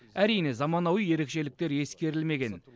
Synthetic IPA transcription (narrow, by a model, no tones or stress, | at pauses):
æɾijne̞zɑmɑnɑwije̞ɾe̞kʃe̞lɪk̚t̪e̞ɾe̞skʲe̞ɾɪlme̞ɡʲe̞n